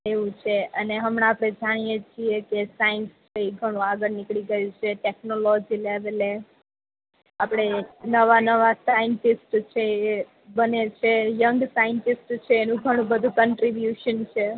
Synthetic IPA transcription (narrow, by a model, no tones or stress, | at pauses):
eʋũt͡ʃʰeʔəneɦəmɽ̃ãapɽ̃ed͡ʒaɽ̃ijet͡ʃʰiekesajənst͡ʃʰeiɡʱəɽ̃ũaɡəɾnɪkɭiɡəjũt͡ʃʰeʈeknolod͡ʒileʋele | apɽ̃enəʋanəʋasajənʈisʈt͡ʃʰe | bənet͡ʃʰejəŋɡsajənʈisʈt͡ʃʰeːnũɡʱəɽ̃ũbəd̪ʱũkəɳʈɾibjuʃənt͡ʃʰe